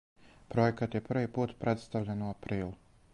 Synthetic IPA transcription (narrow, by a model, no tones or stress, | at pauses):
pɾo̞jekat̪jepr̩ʋipuːt̪pɾe̞t̪st̪aʋʎanuapɾiːlu